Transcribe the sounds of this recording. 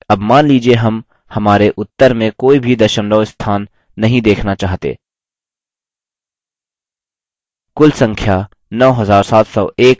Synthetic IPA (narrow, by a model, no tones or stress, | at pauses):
ɐbmaːnliːd͡ʒieɦɐm | hɐmaːɾeʔʊt̪ːəɾmẽkoːibʱid̪ɐʃə̃nɖ̪ɔːɪst̪ʰaːnː | ɐɦĩd̪eːkʰnat͡ʃaːɦt̪ḛː | kʊlsɐ̃ŋkʰja | nɔːɦɐzaːɾsaːt̪ʰsɔeːk